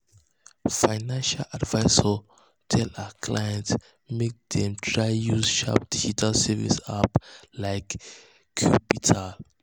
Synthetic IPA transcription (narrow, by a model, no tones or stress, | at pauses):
faɪnãnʃalʔadvaɪsɔ | tʰɛlakʰlajɛ̃nt | mek̚d̪̥ɛ̃mtʰɹajjuzʃa̰p̚d̥id͡ʒitʰalsɛvḭsaplaɪkːʰ | jupitʰal